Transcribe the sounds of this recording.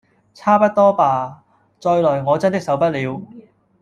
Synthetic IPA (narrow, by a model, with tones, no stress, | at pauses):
t͡sʰaː˥pɐ˥t̚t̪ɔː˥paː˨˩ | t͡ʃɔː˧jlɔː˨˩jŋɔː˨˧t͡sɐ˥nt̪ɪ˥ksɐ˨˥wpɐ˥t̚liː˨˧w